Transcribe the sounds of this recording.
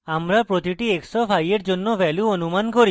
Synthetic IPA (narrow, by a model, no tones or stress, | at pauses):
amɾapɾot̪iʈieksɔfʰajeɾd͡ʒonːɔʋɛluɔnumankɔɾi